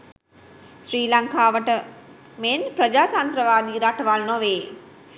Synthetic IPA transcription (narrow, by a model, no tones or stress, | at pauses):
ʃɾiːlɐŋkʰaːʋɐʈɐ | meːnpɾɐd͡ʒaːt̪ant̪ɾɐʋaːd̪iːɾaʈɐʋaːlnoːʋeː